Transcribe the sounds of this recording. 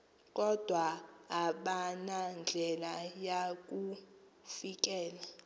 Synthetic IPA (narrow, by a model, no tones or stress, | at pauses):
k̬ʼɔd̥ʱwaː | ɓanand͡ɮʱɛlajak̬ʼu | fik̬ʼɛːla